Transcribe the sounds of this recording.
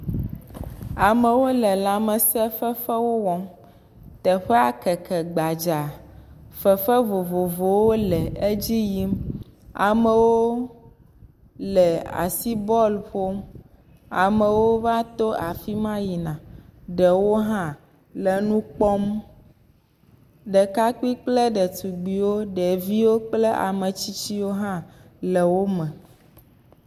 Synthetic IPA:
a˨mɛ̃˨wo˦lɛ˨la˨mɛ˨sɛ˦fɛ˦fɛ˦wo˦wɔ˦m | t̪ɛ˨ɸɛ˦a˨kɛ˨kɛ˨ɡ͡ba˨d͡ʒa˨ | fɛ˨fɛ˦vo˨vo˨vo˨wo˦lɛ˨e˦d͡ʑi˦ji˦ma̰˨mɛ̃˨wo˦ | lɛ˨a̰˨si˦bɔ˦lɸo˦m | a̰˨mɛ̃˨wo˦va˦t̪o˦a˨fi˦mã˦ji˨nã˨ɖɛ˨wo˦ɦã˦ | lɛ˨nũ˦k͡pɔ˦m | ɖɛ˨ka˦ki˦k͡ple˦ɖɛ˨t̪u˨ɡ͡bi˨wo˦ɖɛ˨vi˦wo˦k͡ple˦ʔa̰˨mẽ˨t͡ɕi˦t͡ɕi˦wo˦ɦã˦ | lɛ˨wo˦mɛ̃˨

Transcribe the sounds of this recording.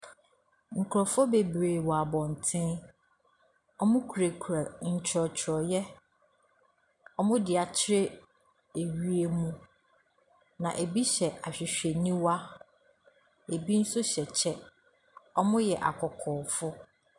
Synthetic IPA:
ŋ̩˨kʰʊ˨ɾɔ˨fʊ˦be˨bɾeː˨wɔ˨a˨bɔ̃˨n˨tʰɪ̃˦n | ɔ˦mʊ̃˦kʰu˨ɾe˨kʰu˨ɾa˨ɲ̩˨t͡ɕʰɾɔ˨t͡ɕʰɾɔ˨jɛ˦ | ɔ˦mʊ̃˦dɪ˨a˨t͡ɕʰɪ˦ɾe˦ | e˨ɥi˦e˦mũ˦ | nã˨ʔe˨bi˦ɕɛ˨a˨ɕᶣɪ˨ɕᶣɛ˨nĩ˦wa˦ | e˨bi˦n̩˦sʊ˦ɕɛ˨t͡ɕʰɛ˦ | ɔ˦mʊ̃˦jɛ˨ʔa̰˨kʰɔ˨kʰɔː˨fʊ˦

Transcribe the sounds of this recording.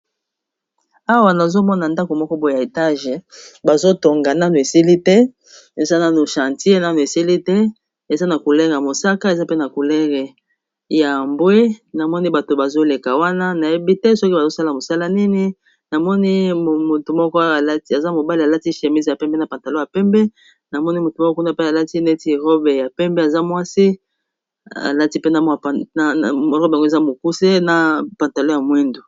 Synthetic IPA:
a˦wa˨na˨zo˦mɔ˦na˨nda˦ko˨mɔ˦kɔ˦bo˦˨ja˨e˨ta˦ʒe˨ba˨zo˦to˨ŋɡa˨na˦nu˨e˨si˦li˦tɛ˦ | e˨za˦na˦nu˨ʃã˨ntji˦e˦na˦nu˨e˨si˦li˦tɛ˦ | e˨za˦na˨ko˨lɛ˦ŋɡa˨mo˨sa˦ka˦e˨za˦pe˦na˨ku˨lɛ˦ŋɡɛ˨ | ja˨mbwe˦na˨mɔ˦ni˦ba˨to˨ba˨zo˦le˨ka˨wa˦na˦na˨je˦bi˦tɛ˦sɔ˦ki˦ba˨zo˦sa˦la˨mo˨sa˦la˦ni˦ni˦ | na˨mɔ˦ni˦˨mo˨tu˨mɔ˦kɔ˦˨la˦ti˦a˨za˦mo˨ba˦li˨a˨la˦ti˦ʃe˨mi˦zja˨pɛ˦mbɛ˦na˨pã˨nta˨lo˦ja˨pɛ˦mbɛ˦ | na˨mɔ˦ni˦mo˨to˨mɔ˦kɔ˦ku˦na˦pe˦a˨la˦ti˦ne˦ti˨ʁo˦be˨ja˨pɛ˦mbɛ˦a˨za˦mwa˦si˦ | a̰˨la˦ti˦pe˦na˨m˨ | ɔ˦ʁɔ˦be˨ɡo˦e˨za˦mo˨ku˦se˦na˨pa˨nta˨lo˦ja˨mwe˦ndu˨

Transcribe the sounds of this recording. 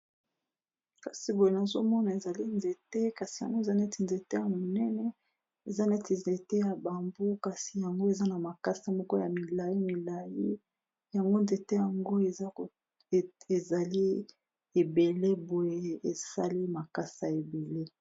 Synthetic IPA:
ka˨si˨bo˨je˨na˨zo˦mɔ˦na˨e˨za˨li˦nze˨te˦ka˨si̥˨ja˨ŋɡo˦e˦˨za˦ne˦ti˨nze˨te˦ja˨mo˨nɛ˦nɛ˨ | e˨za˦ne˦ti˨nze˨te˦ja˨ba˨mbo˦ka˨si˨ja˨ŋɡo˦e˨za˦na˨ma˨ka˦sa˨mɔ˦ko˦ja˨mi˨la˨ji˦mi˨la˨ji˦ | ja˨ŋɡo˦nze˨te˦ja˨ŋɡo˦e˨˦ | e˨za˨li˦ | e˨be˨le˦bo˨je˨e˨sa˦li˦ma˨ka˦sa˨e˨be˨le˦

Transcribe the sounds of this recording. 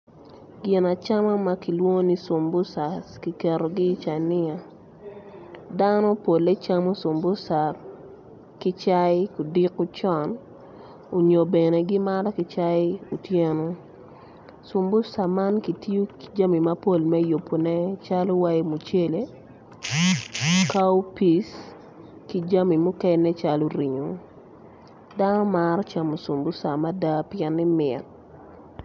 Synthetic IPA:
ɡɪ˨na˨t͡ʃa˦ma˦ma˦ki˨lwo˦ni˦sʊ˨mbʊ˦sa˨ski˨kɛ˨ɾo˨ɡɪ˦t͡ʃa˨nɪ˦a˨ | da˦nɔ˦po˨lːe˦t͡ʃa˦mo˦so˨mbʊ˦sa˨ | kɪ˦t͡ʃa˦ɪ˦ku˨di˦kʊ˦t͡ʃɔ˨n | o˨ɲo˨be˨ne˨ɡɪ˦ma˦ɾa˦kɪ˨t͡ʃa˦ɪ˦u˨tje˦no˦ | su˨mbʊ˦sa˨ma˦nki˨to˦ki̥˨d͡ʒa˦mi˨ma˦po˨lmɛ˦jo˨pːo˨nɛ˦t͡ʃa˦lo˦wa˦je˦mu˨t͡ʃe˦le˨ | ka˦u˦pi˨s | ki˨d͡ʒa˦mi˨mʊ˦kɛ˦nːɛ˦t͡ʃa˦lo˦ɾi˨ɲo˨ | da˦nɔ˦maɾɔ˦t͡ʃa˨mo˨su˨mbu˦sa˨ma˦da˦pjɛ˦nːɪ˦mɪ˨t̚

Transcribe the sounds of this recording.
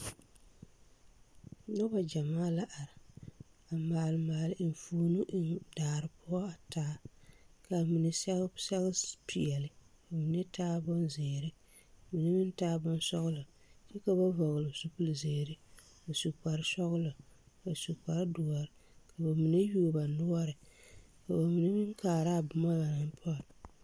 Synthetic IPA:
nɔ˦ba˨d͡ʒa˨maː˦la˦ʔa˨ɾɪ˨ | a˨maː˨lmaː˨lɪ˨ʔn˨fuː˦nu˦ʔɪ˦ndaː˨ɾɨ˨pʊ˦ɔ˦a˨taː˦ka˨mi˨ne˦sɛ˦sɛ˦ɣpi˨ɛ˨lɨ˨ | ka˨mi˨ne˦taː˦bʊ˦nzeː˨ɾɪ˦˨ | mi˨ne˦mɪ˦ntaː˦bʊ˦n˦sɔ˦ɣʊ˦lɔ˨ | t͡ʃɛ˦ka˦ba˦vɔ˨ɣʊ˨lʊ˨su˦pu˦lzeː˨ɾɪ˦ | a˨su˨k͡pa˨ɾɪ˦sɔ˦ɣʊ˦lɔ˨ka˨su˨k͡pa˨ɾdʊ˨ɔ˨ɾɪ˨ka˨ba˨mi˨ne˦juː˦˨ba˨nʊ˦ɔ˦ɾɪ˨ka˨ba˨mi˨ne˦mɪ˦ŋkaː˨ɾa˦˨bʊ˨ma˦ba˨na˨n˦pʰɔ˦˨

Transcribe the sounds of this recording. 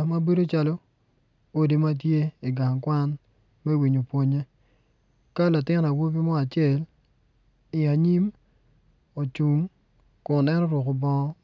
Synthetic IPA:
ma˦bi˦ɾo˦t͡ʃa˦lo˦ | o˦di˨ma˦t̬je˦i˨ɡa˨ŋkwa˦n | mɛ˦wi˨ɲo˨pwo˦ɲe˦ | ka˦la˨tɪ˦n˨a˨wo˦pi˦mɔ˦a˨t͡ʃɪ˦ɛ˨l | i˨a˨ɲi˦m | o˨t͡ʃu˨m | kʊ˨nɛ˦nɔ˦ɾwʊ˨kɔ˨bɔ˦ŋɔ˦

